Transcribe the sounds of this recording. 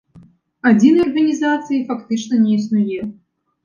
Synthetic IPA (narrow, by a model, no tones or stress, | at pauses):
ad͡zʲinɐɐrɣɐnʲizat̪sɨjifakt̪ɨt͡ʂnɐnʲɛisnujɛ